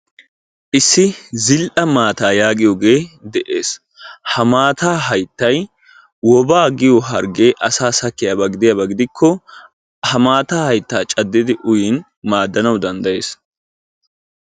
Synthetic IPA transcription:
ʔɪsːɪzɪlʔɐmaːt̪aːjaːɡɪjoːɡe̞ːd̪ɛʔḛːs | hɐmaːt̪aːɦɐjt̪ːɐj | wɔbaːɡɪjɔɦɐɾɡe̞ːʔɐsaːsɐkːɪjaːbɐɡɪd̪ɪjabɐɡɪd̪ɪkʰːɔ | hɐmaːt̪aːhɐjt̪ːaːt͡ʃʼɐd̪ːɪd̪ɪʔʊjɪn | maːd̪ːɐnɐwd̪ɐnd̪ɐje̞ːs

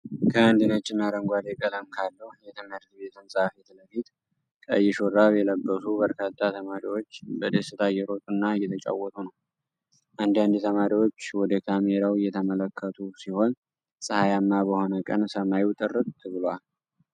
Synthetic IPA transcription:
kʰəand̪inət͡ʃːɪnːaɾəŋɡʷad̪ekʼələmkʰalːəhjɛt̪ʰəməɾd̪be̞t̪ʰɨnsʼahfet̪ləfit̪ | kʼə̰jːɛʃoɾaβjɛləbːəsubəɾkʰat̪ʰʼːat̪ʰəmaɾiwo̞t͡ʃːbəd̪əsɨt̪ʰajɛɾo̞t̪ʼunːaɨjːɛt̪ʰət͡ʃʼa̰wːɔt̪ʰunəw | ʔand̪and̪it̪ʰəmaɾiwo̞t͡ʃːwɔd̪əkʰameɾawjɛt̪ʰəmələkʰːət̪ʰusiho̞n | sʼɨhajamːabəho̞nəkʼə̰nsəmajuwt̪ʼɨrːɨt̪ʼt̪ʰːɨβɨlwal

